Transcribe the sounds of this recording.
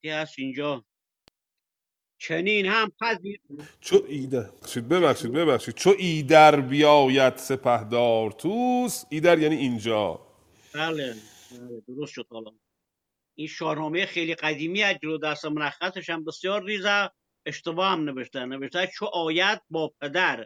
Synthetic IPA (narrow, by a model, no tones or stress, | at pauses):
ihæsind͡ʒɒː | t͡ʃʰeniːnhæmpʰæziːɾt͡ʃʰoiʃiːd̪̚beβæχʃiːd̪̚beβæχʃiːd̪̥̚t͡ʃʰoʔiːd̪æɾbijɒːjæd̪̥sepʰæhd̪ɒːɾt̪ʰuːsiːd̪æɾjæːniːind͡ʒɒ̰ː | bæːle | bæːled̪oɾost̪ʃod̪̥̚hɒlɒː | inʃɒːɾnɒːmejexejliːqæd̪iːmiːæd͡ʒeloːd̪æsæmonæxːæseʃæmbesjɒːɾːiːzæ | eʃt̪ebɒːhæmneveʃt̪æneveʃt̪æt͡ʃʰoʔɒːjæd̪̚bɒːp̚ʰed̪æɾ